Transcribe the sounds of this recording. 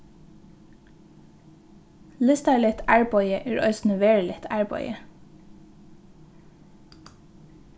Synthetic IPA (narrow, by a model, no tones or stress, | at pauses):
lɪst̪ɑlɪt̪ʰæːɹbɔʏəʔeːɹœ̰ʏsn̩əʋeːɹlɪt̪ʰæːɹbɔ̰ʏə